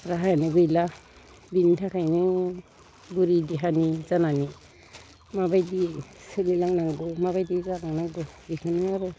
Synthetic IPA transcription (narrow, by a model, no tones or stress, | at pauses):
ɾaɦajnɯɡɯjla | bintʰakʰajnɯ | buɾidiɦanizanani | mabajdisɯnilaŋnaŋɡɯmaβajdiɡalaŋnaŋɡɯbikʰɯnɯaɾu